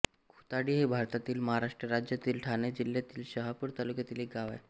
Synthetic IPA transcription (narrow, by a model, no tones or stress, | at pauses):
kʰu̥t̪aɽiːɦebʱaɾt̪at̪iːlməɦaɾaʂʈɾəɾad͡ʑjat̪iːlʈʰañed͡ʑilːjat̪iːlɕəɦapuɾt̪alukjat̪iːleɡaʋa̰j